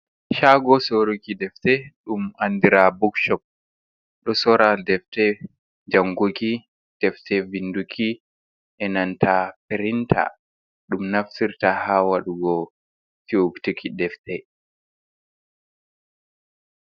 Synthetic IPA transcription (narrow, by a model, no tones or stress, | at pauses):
ʃaɡɔsoɾikidɛftɛɗumandiɾabukʃɔp̚ | ɗɔsɔɾadɛftɛ | d͡ʒaŋɡoki | d̥ɛftɛvindukʰi | ʔɛnantʰapɛɾintʰa̰ | ɗumnaftiɾtahawaɗuɡɔ | tiuktikʰidɛftɛ